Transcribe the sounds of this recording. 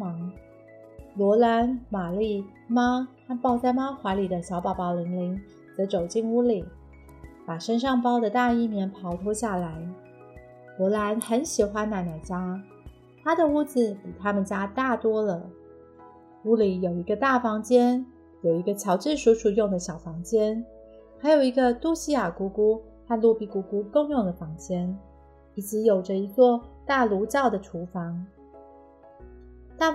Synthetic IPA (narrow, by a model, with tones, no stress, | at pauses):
mɑ˧˥ŋ | lwɔ˧˥la˧˥nma˨˩li˥˩ | ma˥t̪ʰa˥pɑ˥˩ʊt͡sa˥˩ɪma˥xwa˧˥ɪli˨˩d̪ə˦ɕjɑ˧˥ʊpɑ˨˩ʊpɑ˨˩ʊli˧˥ŋli˧˥ŋ | t͡sɤ˧˥t͡so˨˩ʊt͡ɕi˥˩ŋu˥li˨˩˦ | pa˨˩ʂə˥nʂ̬ɑ˥˧ŋpɑ˥ʊd̪ə˨t̪a˥˧i˥˩mjɛ˧˥npʰɑ˧˥ʊt̪ʰwɔ˥ɕja˥˩la˧˥ɪ | lwɔ˧˥la˧˥nxə˧˥nɕi˨˩xwa˥nna˨˩na˨˩t͡ɕja˥ | t̪ʰa˥d̪ə˨u˥˩d͡zɹ̩˨˩pi˨˩t̪ʰa˥mə˨nt͡ɕja˥t̪a˥˩t̪wɔ˥lə˨ | u˥li˨˩jo˨˩ʊi˧˥ɡə˧t̪a˥˩fɑ˧˥ŋt͡ɕjɛ˥n | jo˨˩ʊi˧˥ɡə˧t͡ɕʰjɑ˧˥ʊʈ͡ʂɻ̩˥˧ʂu˧˥ʂu˨˩jʊ˥˩ŋd̪ə˩ɕjɑ˨˩ʊfɑ˧˥ŋt͡ɕjɛ˥n | xa˧˥ɪjo˨˩ʊi˧˥ɡə˧t̪u˥˧ɕi˥ja˨˩ku˧˥ku˥ | xa˥˧nlu˥˧pi˥˩ku˧˥ku˥ko˥˧ŋjʊ˥˩ŋd̪ə˩fɑ˧˥ŋt͡ɕjɛ˥n | i˧˩t͡s̩˧˥jo˨˩ʊʈ͡ʂə˧˦i˧˥t͡swɔ˥˧t̪a˥˩lu˧˥t͡ɕɑ˥˩ʊd̪ə˩ʈ͡ʂʰu˧˥fɑ˧˥ŋ | t̪a˥˩